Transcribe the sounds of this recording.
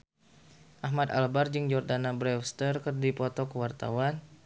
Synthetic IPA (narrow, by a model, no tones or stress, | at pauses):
ʔaɦmad̪a̰lbard͡ʒɨŋd͡ʒɔrdanabɾɛfst̪ərkərdipɔt̪ɔkəwart̪a̰wan